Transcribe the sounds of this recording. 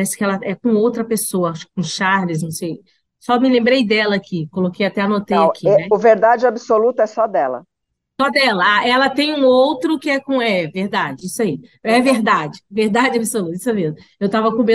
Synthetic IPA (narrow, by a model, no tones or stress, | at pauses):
ɾɛsɪ̥kɪɛlɐɛkõowt̪ɾɐpesoɐʃkõʃaɾvɪznɐ̃w̃sej | sɔmɪlẽmbɾejd̪ɛlɐakʰikolokejat̪ɛanot̪ejakʰiɛɛʊveɾd̪ad͡ʒɪabisolut̪ʊɛsɔd̪ɛlɐ̰ | sɔd̪ɛlɐaʔɛlɐt̪ẽj̃ũowt̪ɾʊkɪɛkõɛveɾd̪ad͡ʒɪisʊaiɛveɾd̪ad͡ʒɪveɾd̪ad͡ʒɪabisolut̪isʊɛmezmʊewt̪avɐkõmẽ